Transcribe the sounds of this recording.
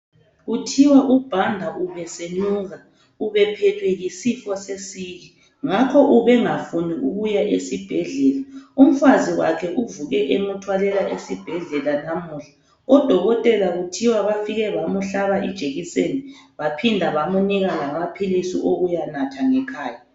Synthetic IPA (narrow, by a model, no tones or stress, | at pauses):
ɣutʰiwaʔub̥ʱandʱaʔuβɛsenuɣa | uβɛpʰɛtʰwɛjisifɔsesiɣi | ŋakʰɔʔuβɛŋafuniʔuɣujaʔesib̥ʱɛɮɛlaum̩faziwa̰kʰɛʔuvuɣɛʔemutʰwalɛlaʔesib̥ʱɛɮɛlanamuːɬḁ | ɔd̥ʱɔɣɔtʼɛlaɣutʰiwaβafiɣɛβamuɬaβaḭd̥ʒ̥ʱeɣiseniβapʰindʱaβamuniɣalamapʰilisiʔoɣujanatʰaŋɛkʰaːja